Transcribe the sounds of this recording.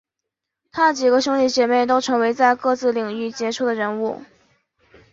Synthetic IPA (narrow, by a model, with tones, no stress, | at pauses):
t̪ʰa˥t͡ɕi˨˩ɡə˦ɕjʊ˥ŋli˥˩t͡ɕjɛ˧˥me˥˩ɪt̪o˥ʊʈ͡ʂʰɤ˧˥ŋwe˧˥ɪt͡sa˥˧ɪkɤ˥˧t͡sɹ̩˥˩li˨˩ŋy˥˩t͡ɕjɛ˧˥ʈ͡ʂʰu˥˩d̪ə˩ɻə˧˥nu˥˩